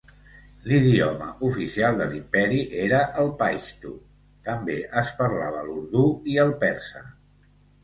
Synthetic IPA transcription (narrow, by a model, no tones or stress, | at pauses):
liðiɔmə̰ʔufisialˠd̪əlimpɛɾiʔeɾəʔəlˠpajʃt̪u | t̪əmbeʔəspəɾlaβəluɾðuiəlˠpɛɾsə